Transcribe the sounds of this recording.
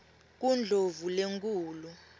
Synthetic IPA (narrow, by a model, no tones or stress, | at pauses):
k̬und͡ɮʱovuleŋk̬ʼuːlu